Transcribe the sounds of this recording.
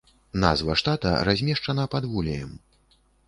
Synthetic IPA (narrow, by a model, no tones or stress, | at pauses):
na̰zvɐʂt̪at̪ɐ̰ɾazʲmʲɛʂt͡ʂɐnɐpad̪vulʲɛjɛm